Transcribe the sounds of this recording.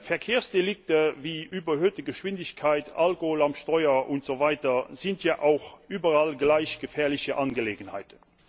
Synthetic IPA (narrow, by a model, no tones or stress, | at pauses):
fɛɐkʰeːɐsd̥elɪk̚təviːʔyːbɐɦøːtəɡəʃv̥ɪndɪɕkʰaɪta̰lkohoːlamʃtɔʏɐʔʊntz̥ovaɪtɐzɪntʰjaːʔaʊxʔyːbɐʁalɡlaɪɕɡ̥əfɛːɐlɪçəʔanɡəleːɡənha̰ɪtə